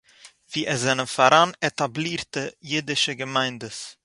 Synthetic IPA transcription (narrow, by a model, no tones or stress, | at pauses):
fiːʔɛzaɪnənfɔɾanetabliːtəjeːdɪʃəɡəmaɪndəs